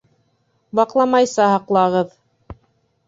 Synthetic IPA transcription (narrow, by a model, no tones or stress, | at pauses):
bɑqlˠɑmɑjsɑɦɑqlˠɑʁɤð